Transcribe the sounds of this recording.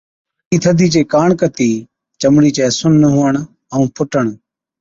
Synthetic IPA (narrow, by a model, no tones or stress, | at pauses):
iːt̪ʰəd̪ʱiːt͡ʃeːkaːɳkət̪iː | t͡ʃəmɽiːt͡ʃɛːsʊnːəɦuːəɳ | əũːpʰʊʈəɳ